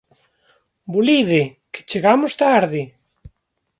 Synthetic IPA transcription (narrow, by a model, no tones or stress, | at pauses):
buliðeke̥t͡ʃeɣamʊst̪aaɾðɪ